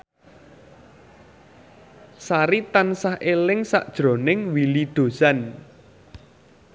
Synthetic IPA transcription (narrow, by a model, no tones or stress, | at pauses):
saɾit̪ansahelɪŋsa̰ʔd̥ʒ̥ɾo̤nɪŋwilid̪̥o̤san